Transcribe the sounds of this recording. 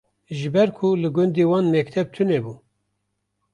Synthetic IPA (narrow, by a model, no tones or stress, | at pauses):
ʒɨbɛɾkʰulɨɡʊnd̪iːwɑːnmɛkt̪ʰɛb̚t̪ʰɨnebuː